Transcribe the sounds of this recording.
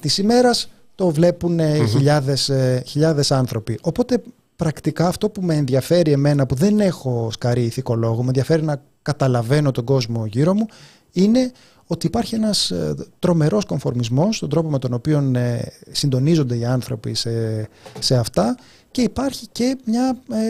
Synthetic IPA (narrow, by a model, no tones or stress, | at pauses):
t̪isime̞ɾɐs | t̪o̞vle̞punçiʎɐðe̞sçiʎɐðe̞sɐnθɾo̞piʔo̞po̞t̪e̞ | pɾɐkt̪ikɐːft̪o̞pumeːnðjɐfe̞ɾie̞me̞nɐpuðe̞ne̞xo̞skɐɾiːθiko̞lo̞ɣomenðijɐfe̞ɾinɐ | kɐt̪ɐlɐve̞no̞t̪o̞ɡo̞zmo̞ʝiɾo̞mu | ine̞ | o̞t̪iːpɐɾçie̞nɐst̪ɾo̞me̞ɾo̞sko̞ɱfo̞ɾmizmo̞sːt̪ond̪ɾo̞po̞me̞t̪o̞no̞pio̞nesind̪o̞nizo̞nd̪e̞iɐnθɾo̞pisese̞ɐft̪ɐ | ce̞ipɐɾçice̞mɲɐ